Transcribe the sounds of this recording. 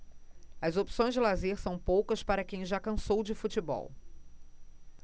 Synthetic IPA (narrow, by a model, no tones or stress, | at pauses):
ɐzopi̥sõj̃zd͡ʒɪlazeɾsɐ̃w̃powkɐspaɾɐkẽj̃ʒakɐ̃sowd͡ʒɪfut͡ʃibɔ̰w